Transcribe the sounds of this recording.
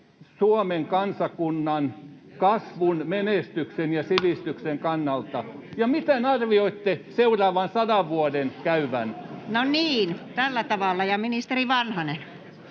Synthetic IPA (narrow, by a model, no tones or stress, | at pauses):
suomeŋkɑnsɑkunːɑnkɑsʋunmenest̪yksenjɑsiʋist̪ykseŋkɑnːɑlt̪ɑjɑmit̪enɑrʋioit̪ːeseurɑːʋɑnsɑdɑʋʋuodenkæyʋænnoniːnt̪ælːæt̪ɑʋɑˑlːɑjɑminist̪eriʋɑnhɑnen